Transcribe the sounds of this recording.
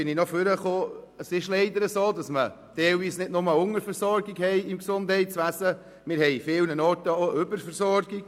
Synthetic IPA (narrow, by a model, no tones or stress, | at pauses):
bɪninɔfʏɾəχoː | əsɪʃlɛɪd̪əɾəsoːdɑsmə | tɛɪlviːsnɪdnʊməʊŋəɾfɛɾsɔɾɡiɡhɛɪɪmksʊnd̥hɛɪtsʋæsə | mɪɾhɛɪfɪlnənɔtəoʔʏbəɾfɛɾsɔɾɡiɡ